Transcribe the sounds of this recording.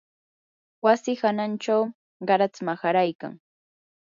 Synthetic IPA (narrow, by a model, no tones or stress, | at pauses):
wasɪxanant͡ʃaw | ɢɑɾat͡smaxaɾajka̰ŋ